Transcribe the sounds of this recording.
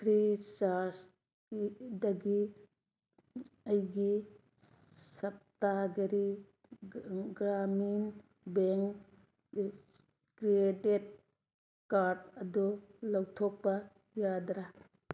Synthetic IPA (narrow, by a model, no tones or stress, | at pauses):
pɾisas | dɐɡi | ɐjɡi | sɐp̚taɡeɾi | ɡɾamin | beŋ | kɾietet̚ | kaɾdɐdulawtʰɔk̚bɐ | jadɾa